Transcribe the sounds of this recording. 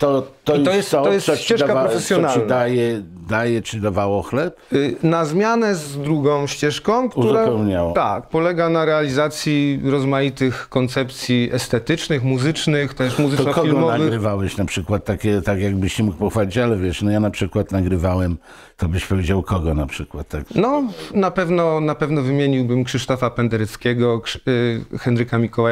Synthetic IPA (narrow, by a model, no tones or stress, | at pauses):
t̪ɔt̪ɔit̪ɔjɛst̪ɔt̪jɛsɔt͡ɕɛʂakapɾɔfɛsʲjɔnalnd̪ajɛd̪ajɛt͡ʂɘd̪avawɔxlɛpnazmʲjanɛzd̪ɾuɡɔ̃w̃ɕt͡ɕɛʂkɔ̃w̃ktuuzɾapɛwɲawɔt̪ak̚pɔlɛɡanaɾɛalʲizat̪sʲjiɾɔzmajit̪ɘxkɔnt̪sɛpt̪sʲjiɛst̪ɛt̪ɘt͡ʂnɘxmuzɘt͡ʂnɘxt̪ɛʂmuzɪɔɔfɡilmɔavɘɾvawɛɕnapʂɘkwat̪̚ːakʲɛt̪akjaɡbɘɕt͡ɕɛmuk̚pɔxfalʲit͡ɕalɛvʲjɛʂnɔjanapʂɘkwat̪naɡɾɘvawɛm | t̪ɔbɘɕpɔvʲed͡ʑawkʰɔɡɔnapʂɘkwat̪t̪ːaknɔnapɛvnɔnapɛvnɔvɘmʲjeɲiwbɘmkʂɘʂt̪ɔfapɛnd̪ɛɾɛt̪skʲɛɡɔk | xɛnɾɘkamʲikɔwaj